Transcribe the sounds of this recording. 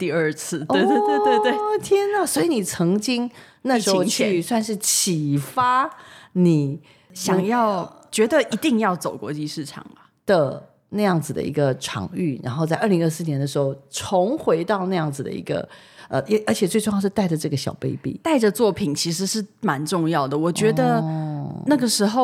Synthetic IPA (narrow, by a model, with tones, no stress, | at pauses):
t̪i˥˧ə˞˥˧t͡sʰɹ̩˥˩t̪we˥˧ɪt̪wt̪we˥˧t̪we˥˧ɪt̪we˥˩ɪt̪ʰjɛ˥nə˨˩swɔ˧˥i˨˧ni˨˩t͡sʰɤ˧˥ŋt͡ɕi˥ŋ | na˥˩ʂɻ̩˧˥xo˥˧ʊt͡ɕʰy˥˧swa˥˧nʂɻ̩˥˩t͡ɕʰi˨˩fa˥ni˨˩˦ | ɕjɑ˨˩ŋjɑ˥˩ʊt͡ɕɥɛ˧˥d̪ə˨ʔi˧˥t̪i˥˧ŋjɑ˥˩ʊt͡so˨˩ʊkwɔ̰˧˥t͡ɕi˥˧ʂɻ̩˥˩ʈ͡ʂʰɑ̰˨˩ŋbɐ˩d̪̥ə˨˩ | na˥˧jɑ˥˩ŋd͡zɹ̩˨˩d̪ə̰˩ḭ˧˥ɡə˧ʈ͡ʂʰɑ̰˨˧˥ŋy˥˩ɻa̰˧˥nxo˥˧t͡sa˥˧ɪʔə˥˩li˧˥ŋə˞˥˧sɹ̩˥˩njɛ˧˥nd̪ə˧ʂɻ̩˧˥xo˥˧˩ʊʈ͡ʂʰʊ˧˥ŋxwe˧˥ɪt̪ɑ˥˧ʊna˥˧jɑ˥˩ŋd͡zɹ̩˩d̪ə̰˩ḭ˧˥ɡə̰˧ə̰˧ʔe˧˥ʔə˞˧˥t͡ɕʰjɛ˨˩t͡swe˥˧ɪʈ͡ʂŋjɑ˥˧ʊʂ̩˥˧t̪a˥˩ɪʈ͡ʂə˩ʈ͡ʂɤ˥˩ɡə˩ɕjɑ̰˨˩ʊpe˥˧ɪpḭ˥˩t̪a˥˩ɪʈ͡ʂə˨˩t͡swɔ˥˩pʰi˨˩nt͡ɕʰi˧˥ʂ̬ɻ̩˧˥ʂɻ̩˥˩ma˧˦nʈ͡ʂʊ˥˧ŋjɑ˥˩ʊd̪ə˩wɔ˨˩t͡ɕɥɛ˧˥d̪ə˧ | na˥˩ɡə˩ʂɻ̩˧˥xo˥˧ʊ